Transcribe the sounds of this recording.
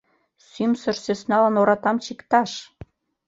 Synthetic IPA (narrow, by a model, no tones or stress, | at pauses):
symsə̆rsøsnɑlɑnoɾɑt̪ɑmt͡ɕikt̪ɑʃ